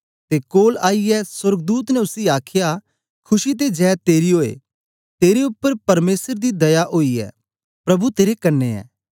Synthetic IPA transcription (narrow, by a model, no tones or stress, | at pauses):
t̪ekoːlaːiɛswɐɾɡ̚d̪uːt̪nɛʊsiaːkʰɪja | kʰʊʃit̪̬ed͡ʒɛːt̪eːɾiɦoːḛ | t̪eːɾeʊpːəɾpɐɾmeːsəɾd̪id̪ɐjaʔoːiɛ̰ː | pɾɐbut̪eːɾekɐɾnːeɛ̰ː